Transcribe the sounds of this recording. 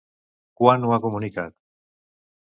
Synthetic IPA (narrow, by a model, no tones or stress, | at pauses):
kwanuakomunikak̚